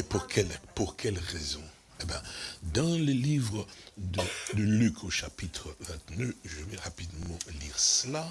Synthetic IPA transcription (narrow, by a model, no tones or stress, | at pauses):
epuʁkʰɛlpuʁkʰʲɛlʁɛzɔ̃ | ebjɛ̃d̪ɑ̃ləlivʁəd̪əd̪əlykʰoʃapit̪χəvɛ̃t̪nøʒəvɛʁapid̪mmɑ̃liʁsəla